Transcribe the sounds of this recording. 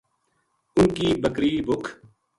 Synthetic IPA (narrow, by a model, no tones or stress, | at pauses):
ʊnkiːbəkɾiːbʊkʰ